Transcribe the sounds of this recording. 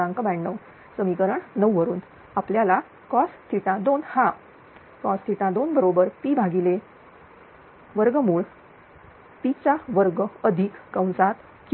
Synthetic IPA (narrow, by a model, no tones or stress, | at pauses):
ãŋkbaɳɖəw | səmikəɾəɳnəwʋəɾuːn | apljala | kɔst̪ʰiʈ̪ãd̪onhap | kɔst̪ʰiʈ̪ãd̪onbəɾobəɾpibʱaɡile | ʋəɾɡəmuːɭ | pit͡ɕaʋəɾɡəəd̪ʱikːəwnsat̪ | k